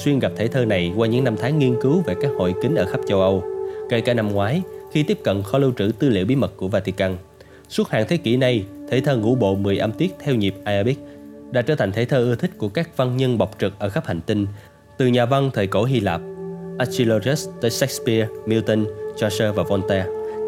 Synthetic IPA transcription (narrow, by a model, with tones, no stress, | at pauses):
swi˧nɣa˨˩p̚t̪ʰe˧˩t̪ʰəː˧na˨˩jkwaː˧ɲɨ̰˧˥ŋna˧mt̪ʰaː˨˦ŋːi˧ənkɨ˨˦wve˨˩kaː˦˥k̚ho̰˧˨jkï˨˦ŋ̟ʔəː˧˩xa˦˥p̚t͡ɕə˧wʔə˧wkə˧˩jkaː˧˩na˧mŋwaː˨˦jxi˧t̪i˦˥əp̚kə̰˧˨nxɔ˧lɨ˧wt͡ɕɨ̰˧˩t̪ɨ˧lḭ˧˨əwɓi˨˦mə˨˩t̚kːu˧˩əvaː˧t̪i˧kaː˧n | su˦˥t̚ha̰ː˧˨ŋt̪ʰe˨˦kḭ˧˩na˧˩jt̪ʰḛ˧˩t̪ʰəː˧ŋṵ˧˥ɓo̰˧˨mɨ˨˩əjʔa˧mt̪i˦˥ək̚t̪ʰɛ˧wɲi˨˩p̚ʔaː˧ʔa˧ɓi˦˥k̚ɗaː˧˥t͡ɕəː˧˩t̪ʰa˨˩ŋ̟t̪ʰe˧˩t̪ʰəː˧ʔɨ˧ət̪ʰï˦˥k̟̚ku˧˩əkaː˦˥k̚va˧ŋɲə˧nɓa˨˩wk͡p̚t͡ɕɨ˨˩k̚ʔəː˧˩xa˦˥p̚ha˨˩jŋ̟t̪ï˧ŋ | t̪ɨ˨˩ɲaː˨˩va˧ŋt̪ʰəː˨˩jko˧˩ɦi˧laː˨˩p̚ʔa˦˥si˧lo˧zɛ˦˥st̪əː˧˩sɛ˦˥k̚spi˧mi˧wt̪ə˧nt͡ɕɔ˧səː˧vaː˨˩vɔ˧nt̪ɛ˧